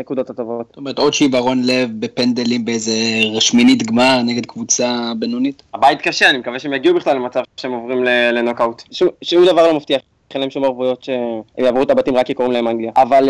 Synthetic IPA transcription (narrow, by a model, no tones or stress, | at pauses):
nekud̪o̞t̪at̪ovo̞t̪stomeet̪o̞d̪ʃivaʁo̞nle̞vbe̞pend̪elimbeejze̞ʁaʃminitɡmaʁneɡe̞d̪kvut͡sabenunitabait̪kaʃeanimekaveʃeemjaɡiubiχlalːemat͡savʃeemovʁimlelenokawt̪ʃumʃumd̪avaʁlo̞maft̪iaχ | χenaemʃumaʁvujo̞t̪ʃe̞ḛmjaːvʁuetabat̪imʁakːikoʁimlahemaŋɡliaaval